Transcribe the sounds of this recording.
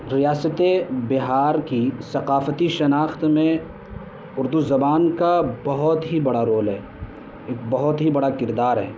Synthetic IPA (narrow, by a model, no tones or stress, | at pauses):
ɾijaːsət̪ebɪɦaːɾkisɐqaːfət̪iʃɐnaːxt̪mẽ | ʊɾd̪uzɐbaːnkabɐɦɔt̪ɦibɐɽaɾoːlɦɛː | eːk̚bɐɦʊt̪ɦibɐɽakɪɾd̪aːɾɦɛː